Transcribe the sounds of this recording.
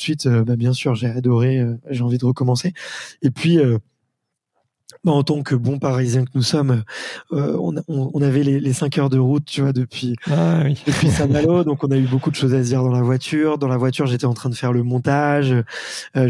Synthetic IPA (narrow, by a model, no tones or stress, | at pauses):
sɥit̪øbabjɛ̃syʁʒead̪ɔʁeøʒeɑ̃vid̪əʁəkɔmɑ̃seepɥiø | baɑ̃t̪ɑ̃kəbɔ̃paʁizjɛ̃kənusɔmøø̰ɔ̰̃nɔ̃ɔ̃navɛlelesɛ̃kʲœʁd̪əʁut̪̚ːyvwad̪əpɥiid̪əpɥisɛ̃malod̪ɔ̃kɔ̃naybokud̪əʃozad̪iʁd̪ɑ̃lavwat̪yʁd̪ɑ̃lavwat̪yʁʒet̪ɛɑ̃t̪χɛ̃d̪əfɛʁləmɔ̃t̪aʒøː